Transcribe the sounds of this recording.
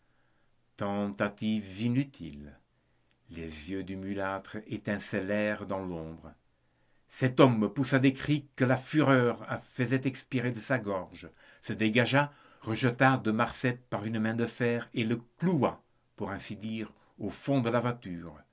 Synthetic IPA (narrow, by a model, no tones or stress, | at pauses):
t̪ɑ̃t̪at̪ivinyt̪ʰḭlː | ezjød̪ymylat̪χet̪ɛ̃sɛlɛʁd̪ɑ̃lɔ̃ːbʁə | sɛt̪ɔmpusad̪ekχikəlafyʁœʁafəzɛt̪ɛkspiʁed̪əsaɡɔʁʒ | səd̪eɡaʒa | ʁəʒət̪ad̪əmaʁsɛpaʁynmɛ̃d̪əfɛʁeləklua | puʁɛ̃sid̪iːʁ | ofɔ̃d̪əlavwat̪yːʁ